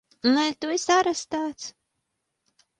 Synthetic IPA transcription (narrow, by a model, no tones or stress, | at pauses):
nalʲt̪uɛsaɾast̪aːt̪s